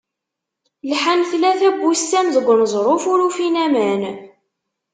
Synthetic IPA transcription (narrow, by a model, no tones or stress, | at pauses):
lħanθlæθæbːusːæmðəɡʷːənzˤɾˤofʊɾufinæmæn